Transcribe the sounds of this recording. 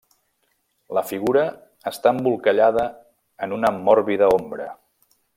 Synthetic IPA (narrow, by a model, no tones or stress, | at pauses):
ləfiɣuɾəː | st̪aəmbulˠkəʎaðə | ənunəmːɔɾβiðəombɾə